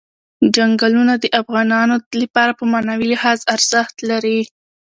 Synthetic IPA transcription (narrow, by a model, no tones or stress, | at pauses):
d͡ʒaŋɡalunad̪əʔafɣɑnɑnolapɑɾapəmɑnawilɪhɑzaɾz̥əxt̪laɾi